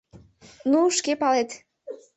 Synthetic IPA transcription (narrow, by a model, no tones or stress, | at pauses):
nuʃkepɑlet̪